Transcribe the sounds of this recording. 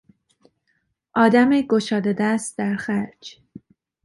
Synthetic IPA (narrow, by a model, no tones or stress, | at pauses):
ʔɒːd̪æmeɡoʃɒːd̪ed̪æst̪̚d̪æɾxæɾd͡ʒ